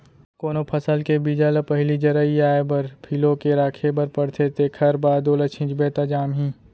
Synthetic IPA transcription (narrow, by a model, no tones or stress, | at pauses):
koːnopʰəsəlkebid͡ʒalpɐɦlid͡ʒɐɾəiaːebɐɾpʰilõkeɾaːkʰebəɾpɐɽt̪ʰet̪ʰekʰɐɾbaːd̪oːlət͡ʃʰɪ̃ːt͡ʃbeːt̪ad͡ʒaːmɦĩː